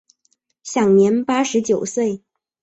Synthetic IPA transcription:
ɕjɑ˨˩ŋnjɛ˧˥npa˥ʂɻ̩˧˥t͡ɕjo˨˩ʊswe˥˩ɪ

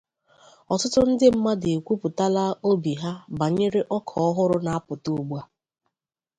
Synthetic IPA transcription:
ɔ˨tʊ˦tʊ˦n̩˦dɪ˦m̩˦ma˦de˨kʷu˦pʊ˨ta˦la˦o˦bi˨ɦa˦ba˨ɲe˦ɾe˦ʔɔ˦kʰɔ˨ɔ˦ɦʊ˦ɾʊ˦na˨a˦pʊ˨to˦˨ɡ͡bu˦a˦

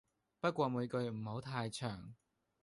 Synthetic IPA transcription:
pɐ˥t̚kʷɔː˧muː˨˧jkɵ˧ɥm̩˨˩ho˨˥wt̪ʰaː˧jt͡ʃʰœː˨˩ŋ

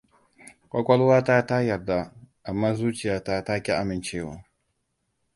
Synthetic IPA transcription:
kʷʼɐ˦kʷɔ˦lwaː˦ta˦ta˦jɐ˨rda˦ʔa˨mːaː˦zuː˦t͡ʃɪ˨jaː˦ta˦ta˦kʲi˦ʔa˦mɪ˨nt͡ʃeː˦˨wa̰ː˨˦

